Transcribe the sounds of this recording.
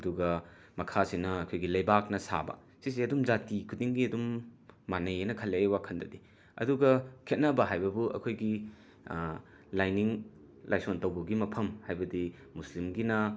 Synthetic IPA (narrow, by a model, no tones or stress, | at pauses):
ɐduɡɐ | mɐkʰasinɐɐkʰojɡilɐjbak̚nɐsa̰bɐ̰ | sis̬iɐdumd͡ʒatikʰudiŋɡiɐdumːanejenɐkʰɐlejwakʰɐndɐdi | ɐ̰duɡɐkʰet̚nabɐɦajbɐbuʔɐ̰kʰojɡi | lajniŋ | lʔajsontɐwbɐɡimɐpʰɐmhajbɐdi | muslimɡinɐ